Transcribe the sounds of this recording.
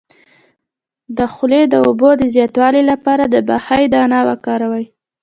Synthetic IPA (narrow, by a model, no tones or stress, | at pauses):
d̪əxʊled̪əobod̪əzjɑt̪wɑlilapɑɾad̪əbahajd̪əanɑwakɑɾawəj